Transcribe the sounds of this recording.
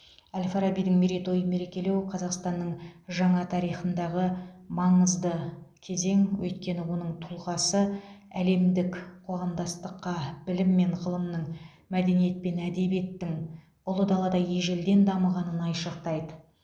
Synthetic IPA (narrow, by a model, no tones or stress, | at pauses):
ælʲfaɾabijd̪ɪŋmeɾet̪o̞jəme̞ɾe̞kʲe̞le̞wqʰɑzɑqst̪ɑnːəɴʒɑɴɑt̪ʰɑɾijχənd̪ɑʁəmɑɴəzd̪əkʲʰe̞ze̞ŋwʔɵ̰jt̪kʲe̞nɪwo̞nəɴt̪ʰʊlˠʁɑsəæle̞md̪ɪkqʰoʁɑmd̪ɑst̪əqːɑbɪlɪmːe̞ɴʁəlˠəmnəɴ | mæd̪e̞nije̞t̪̚pe̞næd̪e̞bije̞t̪ːɪŋ | ʊlˠəd̪ɑlˠɑd̪ɑje̞ʒeld̪e̞nd̪ɑməʁɑnənɑjʃɑq̚t̪ɑjd̪ə